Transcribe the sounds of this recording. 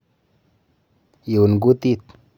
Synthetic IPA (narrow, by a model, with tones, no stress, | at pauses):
ji˨wu˨nɡu˦t̪i˦t̪̚